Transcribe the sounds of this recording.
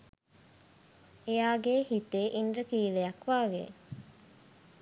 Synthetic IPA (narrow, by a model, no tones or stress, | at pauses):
ejaːɡeːhit̪eːʔindrəkiːlejakʋaːɡḛ